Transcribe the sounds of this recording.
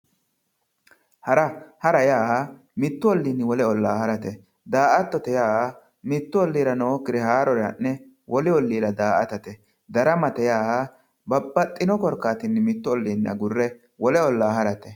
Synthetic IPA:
hɐɾɐhɐɾɐjaːha | mɪt̪ːʊɔlːiːnːɪwɔlɛɔlːaːhɐɾɐt̪ɛ | d̪aːʔɐt̪ːɔt̪ɛjaːa | mɪt̪ːʊɔlːiːɾɐnoːkːɪd̪ɛhaːɾɔɾɐnːɛ | wʔɔlɪɔlːiːɾɐd̪aːʔɐt̪ɐt̪ɛ | d̪ɐɾɐmɐt̪ɛjaːha | bɐbːɐt̪ʼːɪnɔkɔɾkːaːt̪ɪnːɪmɪt̪ːʊɔlːiːnːɐ̰ɡʊrːɛ | wɔlɛɔlːaːhɐɾɐt̪ɛ

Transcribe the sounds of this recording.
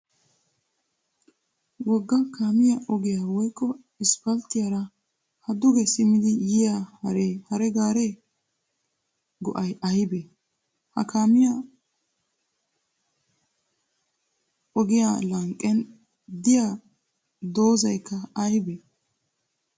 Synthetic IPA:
wɔɡːɐkaːmɪjɐʔɔɡɪjaːwɔjkːɔ | ɪspɐlt̪ɪjaɾɐ | hɐd̪ʊɡɛsɪmɪd̪ɪjɪjahɐɾehɐɾɛɡaːɾe | ɡɔʔɐjɐjbe | hɐ̰kaːmɪjɐ | ɔɡɪja̰lɐŋkʼːɛn | d̪ɪja | d̪o̞ːzɐjkːɐɐjbe

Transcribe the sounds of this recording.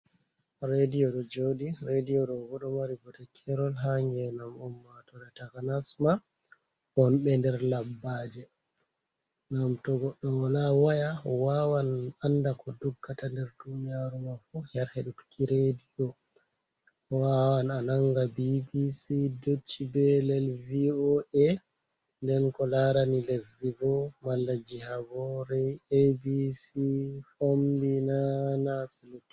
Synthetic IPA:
ɾedijɔɗɔd͡ʒoɗiɾedijɔɗɔɡɔɗɔmaɾiɡɔtɛkʰɛɾɔlɦaŋɡɛnamɔmːatɔɾɛtakanasma | ɔnɓɛndɛɾlabːaːd͡ʒɛ | namtɔɡɔɗːɔwalawajaɔwawanandakɔduɡːatandɛɾdunijaɾumafujaɾheɗutu̥kʰiɾediɡɔ | ɔwawananaŋɡabibisidot͡ʃːibɛlɛlviɔʔɛ | ndɛnkɔlaɾanilesivɔmalːad͡ʒihabɔɾɛebisifomdinanasɛlotːi̥

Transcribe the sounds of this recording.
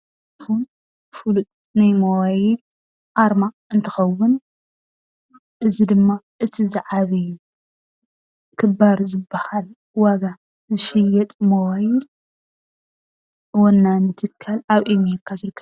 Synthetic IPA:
futʼ | fulu | najmowajɪl | ʔaɾma | ɨnt̪ʰɨxɐwːʊn | ʔɨzid̪ɨmːa | ʔɨt̪ʰizɨʕaβɐju | kʰɨbaɾzɨbɐhal | waɡa | zɨʃɪjɛt̪ʼmowajɪl | wɔnːanɨt̪ʰɨkʰːalaβʔemeɾkʰːazɨɾɨkʰːɐ

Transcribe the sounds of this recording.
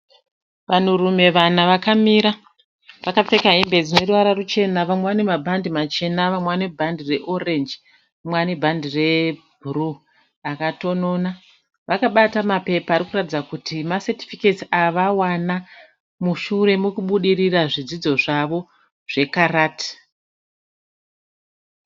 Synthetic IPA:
ʋanurume̞ʋanaʋakamiɾa | ʋakap͡fe̞kaɦimbe̞d͡zine̞ruʋaɾarut͡ʃe̞naʋamweʋane̞mabʱandimat͡ʃe̞naʋamweʋanebʱandire̞ʔo̞re̞nd͡ʒ | amwanebʱandire̞ | bʱuru | akato̞no̞ːna | ʋakaɓatamape̞paːɾikuratid͡zakutimaseti̥fiketiaʋawana | muʃuɾe̞mukuɓuɗiriraʐid͡zid͡zo̞ʐaʋo̞ | ʐ̥e̞karaːti̥

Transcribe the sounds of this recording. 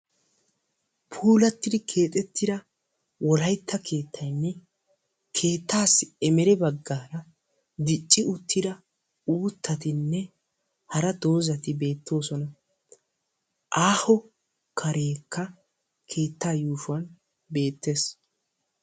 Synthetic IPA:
pʰuːlɐt̪ːɪd̪ɪkʰe̞ːt̪ʼɛt̪ːɪd̪ɐ | wɔlɐjt̪ʰːɐkʰe̞ːt̪ːɐjnːɛ | kʰe̞ːt̪ʰːaːsɛmɛɾɛbɐɡːaːɾɐ | d̪ɪt͡ʃʼːɪʊt̪ːɪd̪ɐ | uːt̪ʰːɐt̪ɪnːɛ | hɐɾɐd̪o̞ːzɐt̪ɪbe̞ːt̪ːo̞ːsɔnɐ | ʔaːhɔ | kʰɐɾe̞ːkʰːɐ | kʰe̞ːt̪ːaːjuːʃʊɐn | be̞ːt̪ːe̞ːs

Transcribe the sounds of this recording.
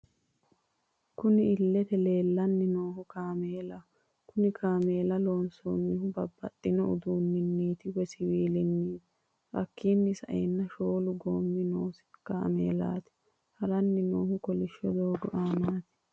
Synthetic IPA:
kʊnɪɪlːɛt̪ɛle̞ːlːɐnːɪnoːhʊkaːmeːlɐ | kʊnɪkʰaːme̞ːlɐloːnso̰ːnːɪhʊbɐbːɐ̰t̪ʼːɪnɔʊ̰d̪uːnːɪnːiːt̪ɪwɛsɪwiːlɪnːiːt̪ɪ | ʔɐ̰kːiːnːɪsɐ̰ʔḛnːɐʃo̞ːlʊɡoːmːɪnoːsɪ̥ka̰ːmḛːla̰ːt̪ɪ̥ | hɐɾɐnːɪnoːhʊkɔlɪʃːɔd̪oːɡɔʔaːnaːt̪ɪ̥

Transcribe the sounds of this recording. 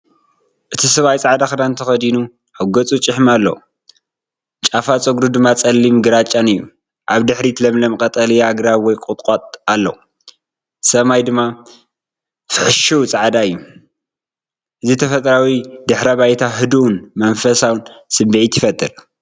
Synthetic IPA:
ʔɨt̪ʰisɐβajt͡sʼaʕd̪axɨd̪ant̪ʰɐxɐd̪inu | ħɨɡɐt͡sʼut͡ʃʼɪħmalːɐ̰u | t͡ʃʼafat͡sʼɨɡɾud̪ɨmːat͡sʼɐlːimɡɨɾat͡ʃʼanɨjːu | ʔaβd̪ɨħɾit̪ʰlɐmlɐmkʼɐt̪ʼɐliaɡɾaβwɔjkʼʊt̪ʼqʼot̪ʼalːɐ̰u | sɐmajd̪ɨmːa | fɨħɨʃuwt͡sʼaʕd̪aɨjːu | ʔɨzit̪ʰɐfɐt̪ʼɾawid̪ɨħɾɐβajt̪ʰaɦɨd̪uʔunmɐnfɐsawnsɨbiʕit̪ʰɪfɐt̪ʰʼːɨɾ

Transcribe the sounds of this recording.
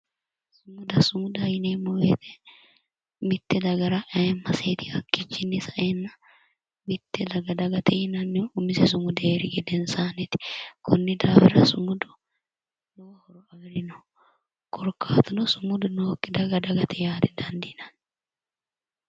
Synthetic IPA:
sʊmʊd̪ɐsʊmʊd̪ɐjɪnemɔwet̪ɛ | mɪt̪ːɛd̪ɐɡɐɾɐʔɐjɛmːɐseːt̪ɪhɐkːɪt͡ʃːɪnːɪsɐʔeːnːɐ | mɪt̪ːɛd̪ɐɡɐd̪ɐɡɐt̪ɛjɪnɐnːɪʊmɪsɛsʊmʊd̪eːɾɪɡɛd̪ɛnsaːnɛt̪ɪ̥kʰʊnːɪd̪aːbɪɾɐsʊmʊd̪ʊ̥ | nowhɔɾɔɐɡɾɪnɔ | kɔɾkːaːt̪ʊnɔsʊmʊd̪ʊnoːkːɪd̪ɐɡɐd̪ɐɡɐt̪ʰɛjaːd̪ɛd̪ɐnd̪ɪnɐn

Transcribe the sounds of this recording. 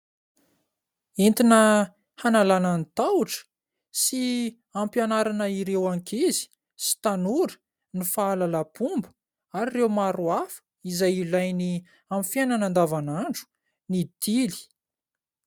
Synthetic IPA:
ent̪inə | hanalanənit̪auʈ͡ʂə̥ | si | ampjanaɾanəiɾewaŋkʰizi̥ | si̥t̪anuɾə̥ | nifaːlalapumbu̥ | aɾirewmaɾuafə̥ | izajilajni | amfjananand̪avanaɳɖ͡ʐu̥ | nit̪ili̥

